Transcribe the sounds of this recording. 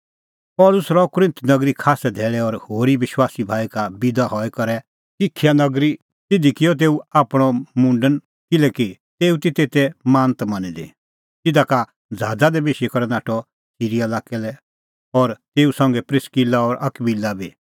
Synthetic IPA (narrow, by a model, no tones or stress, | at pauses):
pɔːlʊsɾɔkʊɾɪ̃nt̪nɐɡɾikʰaːsɛd̪ʱɛːɭɛɔɾhoːɾiʋɪʃwaːsibʱaːikabɪd̪aɦɔɛkɐɾɛ | sɪkʰːjanɐɡɾi | t̪ɪd̪ʱikɪjɔt̪̬eːuaːpɽ̃ɔmũːɳɖən | kɪlɛkit̪eːut̪it̪eːt̪ɛmãːnt̪mɐnid̪ḛ | t̪ɪd̪aka | d͡zʱaːd͡zad̪ɛbeːʃikɔɾɛnaːʈʰɔ | siːɾialaːkɛlɛ | ɔɾt̪eːusãŋɡɛpɾɪskilaɔɾʔɐkbilːabi